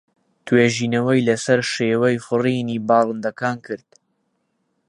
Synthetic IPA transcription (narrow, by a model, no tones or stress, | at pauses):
t̪ʰweːʒiːnɐwɐjlɐsɐɾʃeːwɐjfɨriːniːbɑːlˠɨnd̪ɐkaːnkʰɨɾd̪̥̚